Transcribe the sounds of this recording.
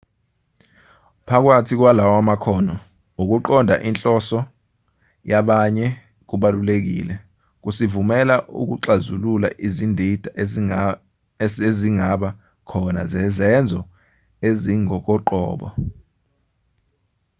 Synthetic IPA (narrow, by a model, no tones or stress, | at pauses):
pʰak̬watʰik̬walawamakʰɔːnɔ | uk̬uǃɔndʱa̰ʔint͡ɬʼɔsɔ | jaɓaɲɛ | k̬uɓalulek̬ḭːlɛ | k̬usivumɛlaʔṵk̬uǁazulula̰ʔizindʱid̥ʱa | eziŋaɓa | kʰɔna̰zɛzɛnd͡zʱɔ | eziŋɔk̬ɔǃɔ̰ːɓɔ̰